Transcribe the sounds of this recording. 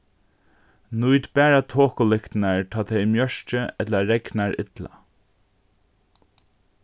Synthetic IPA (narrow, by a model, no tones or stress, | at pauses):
nujt̪bæːɹat̪ʰoːkʊlɪkt̪naɹt̪ʰɑːt̪ʰɛjmjœʂt͡ʃəɛt̪laɹɛknaɹɪ̰t̪la̰